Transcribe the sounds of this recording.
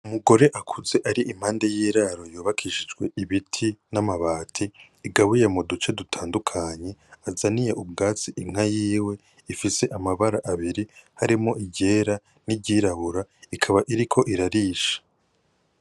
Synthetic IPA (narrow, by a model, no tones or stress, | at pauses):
umuɡo̞ɾe̞ʔakʰuze̞ʔaɾiʔim̥haːnde̞jiːɾaɾo̞juːβakʰiʃid͡ʒɡwe̞iβitʰinamaβaːtʰiː | ɡaβujemodut͡ʃe̞dutʰaːndukʰaɲe̞azanijeʔubɡaːt͡siʔim̥ajiːwe̞ | ifise̞ʔamaβaɾaʔaβiɾihaɾimo̞ʔiɟe̞ːɾa | niɟiːɾaβuɾaikʰaβaʔiɾikʰo̞ʔiɾaɾiːʃḁ